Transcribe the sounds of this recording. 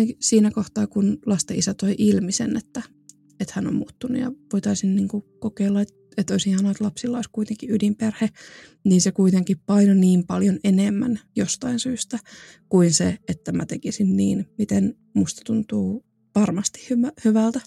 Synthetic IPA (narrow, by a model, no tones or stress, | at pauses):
siːnækoht̪ɑːkunlɑst̪ɑisæt̪oiʔilmisḛnet̪ːæ | et̪hæno̰mmuːt̪ːunːujɑ̰ʋoit̪ɑisinniːŋkukokeːlːɑet̪ | et̪oisihɑnoet̪lɑpsilːɑoiskuit̪eŋkiydimperhe | niːnsekuit̪eŋkippɑinoniːmpɑljonenemːæ̰njost̪ɑinsyːst̪æ | kuinseet̪ːæmæ̰t̪ekisinniːnmit̪en | must̪ɑ̥t̪unt̪uː | ʋɑrmɑst̪i̥hhyʋæhyʋælt̪æ